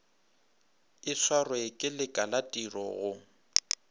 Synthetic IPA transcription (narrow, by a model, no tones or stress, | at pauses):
ɪswarwɪkʼɪlɪkʼalatʼirɔ̰ɣʊ